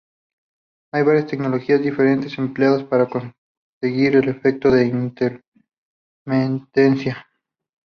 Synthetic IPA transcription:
ajβaɾjast̪e̞kno̞lo̞xiazd̪ife̞ɾe̞nt̪e̞se̞mpleaðaspaɾako̞n | se̞ɣiɾe̞le̞fe̞k̚t̪o̞ðe̞innt̪eɾ | ment̪ensja

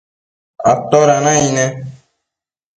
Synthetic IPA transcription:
a̰p̚t̪oɾanãinɛ

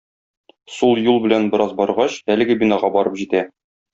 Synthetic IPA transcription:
sulˠjulˠbɘ̆lænbɘ̆ɾɑzbɒɾʁɑɕælɘ̆ɡɘbinɑʁɑbɒɾɤpʑit̪æ

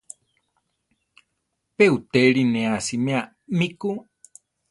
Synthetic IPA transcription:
peut̪eɾinẽasimẽa | miku

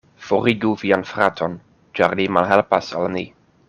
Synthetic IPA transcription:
fɔɾiɡuvianfɾatʰɔn | d͡ʒarlimalɦɛlpasa̰lni

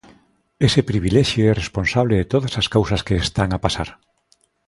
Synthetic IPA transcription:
esɪpɾiβilɛʃjoɛresponsaβleðet̪oðasaskawsɐskeːst̪aŋapasaɾ

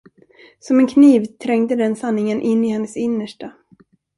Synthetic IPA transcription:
sɔmɛnkʰniːvt̪ʰɾɛŋd̪əd̪ɛnsanːɪŋənʔɪnːɪhɛnːəsɪnːəʂʈa

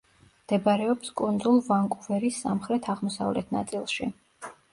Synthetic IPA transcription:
md̪̥ɛbɾɛɔpskʼund̪zulˠvaŋkʼuvɛɾisːamχɾɛt̪ʰaʁmɔsa̰vlɛt̪ʰna̰t̪sʼilˠʃi

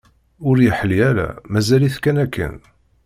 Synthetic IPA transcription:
ʊɾjəħəliæɾæ̰mæzæliθkænækʰːə̰n

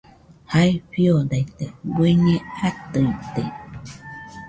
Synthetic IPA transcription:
haiɸiod̪ajt̪eɡweɲẽat̪ɯit̪ej

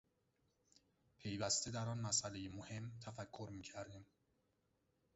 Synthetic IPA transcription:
pʰe̞jvæst̪e̞d̪æɾɒːnmæsʔæle̞jemohe̞mt̪ʰæfækʰːoɾmiːcʰæɾd̪iːm

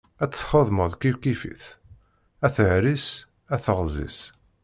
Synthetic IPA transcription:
æt͡sːθχoðˤməðˤkivkifḭθ | æθəʕɾis | æθəʁzḭs

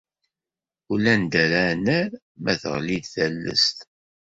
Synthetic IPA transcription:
ulænd̪æɾænəɾ | mæθə̰ʁlid̪θælːə̰st̪

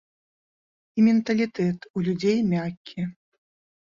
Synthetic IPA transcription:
imʲɛnt̪ɐlʲit̪ɛt̪ulʲud͡zʲejmʲakʲːi

